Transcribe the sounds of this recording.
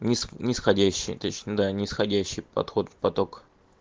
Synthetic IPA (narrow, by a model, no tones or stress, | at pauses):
nʲɪsnʲɪsxɐdʲæɕːɪ̰jt̪ot͡ɕnʲəd̪anʲɪsxɐdʲæɕːɪjpɐ̰t̪xo̞t̪pɐt̪ok